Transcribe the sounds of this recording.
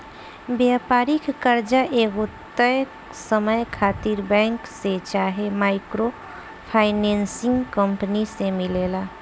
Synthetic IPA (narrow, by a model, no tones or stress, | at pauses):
bjapaːɾikːəɾd͡ʒaʔeɡot̪ːə | səməjkʰaːt̪iɾbɛ̃ŋkset͡ʃaːɦemaɪkɾo | pʰaɪnensɪ̃ŋɡkəmpənisemɪleːla